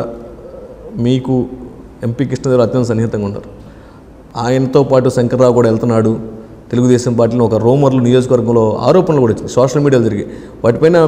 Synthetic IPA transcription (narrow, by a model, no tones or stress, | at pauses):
miːku | e̞mpiːkiʂʈɐd̪elɐt̪jɐnt̪ɐs̬ɐnːiɦit̪ɐŋɡaːunːa̰ːɾu | aːjɐnɐt̪o̞ːpaːʈusɐŋkɐɾːaːwkuːɽaːɛlt̪unːaːɽu | t̪e̞luɡud̪ɛːʃɐmpaːɾʈ̬ːiːlɐniɔkɐɾoːmɐɾlunijoːd͡ʒkɐʋɐɾɡɐmlo̞ːa̰ːɾɔːpɐnlokuːɽɐit͡ʃːind̪isoːʂɐlmiːɽijaːld͡ʒɐɾɡi | ʋaːʈipɐjnaː